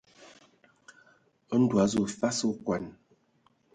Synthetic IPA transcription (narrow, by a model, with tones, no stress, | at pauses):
ə˦n̩˦dwa˨˦zu˦˨fa˦su˦kwa˨n